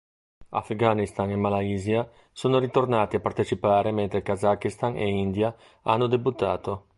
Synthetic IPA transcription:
a̰fɡanist̪aŋemalaiːzja | soːnoɾit̪ornaːt̪iapːart̪et͡ʃipaːɾement̪ɾekazakːist̪aŋḛind̪ja | a̰nːod̪ebut̪ːaːt̪o

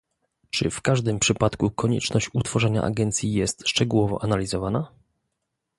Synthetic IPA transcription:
t͡ʂɘ̰fkaʐd̪ɘmpʂɘpat̪kukɔɲɛ̰t͡ʂnɔɕt͡ɕut̪fɔʐɛɲa̰ʔa̰ɡɛnt̪sʲjijɛst̪ʂt͡ʂɛɡuwɔvɔ̰ʔanalʲizɔvana

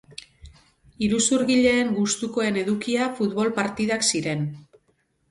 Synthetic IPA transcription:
iɾusuɾɣiʎe̞ːŋɡust̪uko̞e̞ne̞ðukiafut̪βo̞lpaɾt̪iðaksiɾe̞n

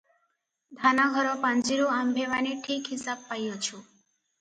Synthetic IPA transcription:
d̪ʱanaɡʱɔɾɔpãnd͡ʒiɾuambʱeʋaniʈʰikɦisab̚pajot͡ʃʰu

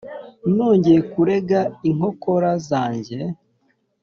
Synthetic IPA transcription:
noːɲɟejekuɾe̞ɡaiŋho̞ko̞ɾazaːɲɟe̞

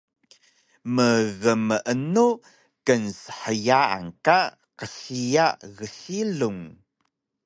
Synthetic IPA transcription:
məɣəməʔənu | kənsə̥ħəjaa̰ŋka | qəɬijaɣəɬiluŋ

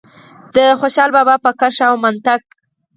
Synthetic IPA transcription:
d̪̥əxoʃɑlbɑbɑpəkaʂawmant̪ak̚

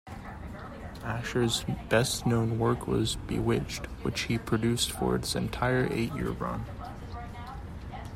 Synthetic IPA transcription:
æʃə˞zbɛsnõʊ̃nwɜ˞kʰwʌ̰zbɨ̰wɪt͡ʃt̚wɨt͡ʃhipʰɹ̥ɨdʉstfə̰˞ɨ̰tsɨ̰̃ntʰaɪə˞ʔḛɪʔjɪ̰ɹɹʌ̰̃n

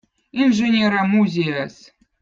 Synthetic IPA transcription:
inʐɨnʲeɾɐmuzʲejas

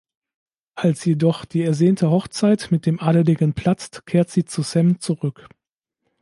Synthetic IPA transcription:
ʔalsjedɔχd̥iːɛɐzeːntʰəɦɔχt͡saɪtmɪt̚d̥eːmʔaːɾəlɪɡənpʰl̥at͡stkʰeːɐtz̥iːt͡susɛmt͡suʁʏk

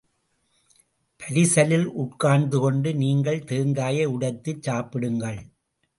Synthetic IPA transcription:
pʰɐɾɪsɐlɪlʔʊʈkaːɳd̪ɯkɔɳɖɯniːŋɡɐɭt̪eːŋɡaːjɐʊɽɐt̪ːɯt͡ʃːaːpɪɽɯŋɡɐɭ

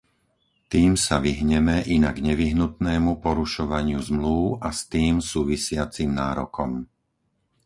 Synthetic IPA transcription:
t̪iːmsaʋiɦɲɛmɛʔinaɡɲɛʋiɦnut̪nɛːmupɔɾuʃɔʋaɲɪuzmluʊast̪iːmsuːʋisɪat͡simnaːɾɔkɔm

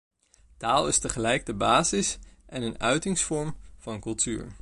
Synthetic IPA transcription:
taːlˠɪstəχəlɛjɡ̚dəbaːzɪsʔɛnənœɥtɪŋsfɔɹmv̥ɑnkɵlˠtyːɹ

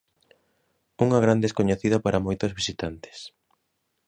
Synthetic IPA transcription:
uŋaɣ̞ɾand̪eskoɲeθiðapaɾamojt̪ozβisit̪ant̪e̥s

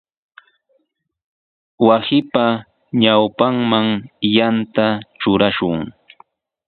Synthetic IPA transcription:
wasɪpa | ɲawpaŋmaŋjant̪at͡ʃʊɾaʃʊŋ

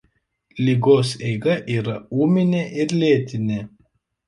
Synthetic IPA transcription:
lʲiːɡoːsɛɪɡɐʔiːɾɐuːmʲɪnʲeʔɪɾlʲeːt̪ʲɪnʲe

